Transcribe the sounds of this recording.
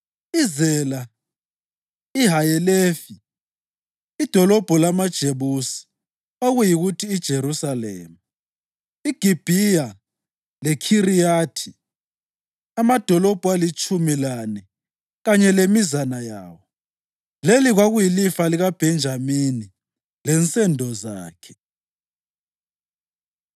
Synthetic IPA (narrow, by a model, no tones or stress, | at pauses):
izɛla | iɦajɛlefi | id̥ʱɔlɔb̥ʱɔlamad̥ʒ̥ʱeβusi̥ | oɣujiɣutʰiːd̥ʒ̥ʱeɾusalḛːmu | iɡ̥ʱib̥ʱija | lɛkʰirijaːtʰi̥ | amad̥ʱɔlɔb̥ʱalit͡ʃʼumilanɛ | ɣaɲɛlemizanajaːwɔ | leliɣwaɣujilifaliɣab̥ʱɛnd͡ʒʱamini | lɛnt͡sʼɛndʱɔza̰ːkʰɛ̥